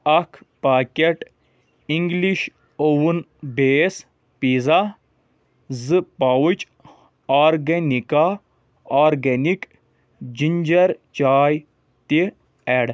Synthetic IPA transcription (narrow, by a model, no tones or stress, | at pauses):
ɐkʰpaːkʲeʈ | iŋɡliʃ | owun | beːs | piza | zɨpɐwut͡ʃ | aːɾɡɐnika | aːɾɡɐnik | d͡ʒiɲd͡ʒɐɾt͡ʃaːj | t̪i | eɽ